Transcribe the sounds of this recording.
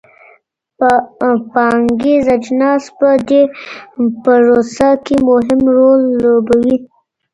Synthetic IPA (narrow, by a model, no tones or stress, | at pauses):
ppɑŋɡezad͡ʒnɑspəd̪e | pəɾosakemʊɦɪmɾolːobawi